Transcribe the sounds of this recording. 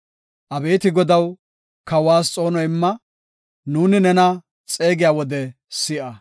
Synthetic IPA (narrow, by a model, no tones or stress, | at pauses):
ʔɐbeːt̪ɪɡɔd̪ɐw | kɐwaːst͡sʼo̞ːnɔjɪmːɐ | nuːnɪnɛnɐ | t͡sʼe̞ːɡɪjaːwɔd̪ɛ | sɪʔɐ